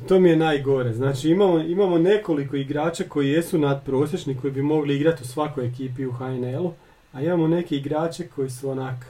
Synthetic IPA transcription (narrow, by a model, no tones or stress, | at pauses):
t̪o̞mije̞naːjɡo̞ɾeznaːt͡ʃiimamoimamo̞ne̞ko̞liko̞iɡɾaːt͡ʃako̞jije̞sunad̪pɾo̞ːsʲjet͡ʃniko̞jibimo̞ɡliiɡɾat̪usʋako̞jekiːpiuxaenelu | aimamo̞ne̞ke̞iɡɾaːt͡ʃe̞kʰo̞jisuonak